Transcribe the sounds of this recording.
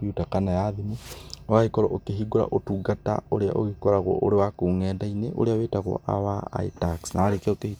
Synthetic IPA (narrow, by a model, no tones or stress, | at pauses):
jutakanajaðimuwaɣikɔɾɔʔokeɦiɡoɾa̰ʔotuɡata̰oɾea̰ʔoɣikɔɾaɣwɔ̰ʔoɾewakoːŋɛːndaineʔo̰ɾeawetaɣɔ̰ʔa̰waa̰itaksnaaɾekɛokehi